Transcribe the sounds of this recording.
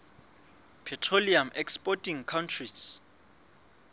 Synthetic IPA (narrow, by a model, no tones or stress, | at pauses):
pʰɛtʰroliamɛkspʼɔtʰʼiŋkʰawntʰrits